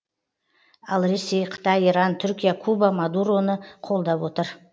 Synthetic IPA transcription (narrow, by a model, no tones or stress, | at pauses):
ɑlˠɾe̞se̞jqʰə̥t̪ɑjiɾɑnt̪ʰʏɾkʲijakʰubamad̪uɾo̞nəqʰo̞lˠd̪ɑpwo̞t̪əɾ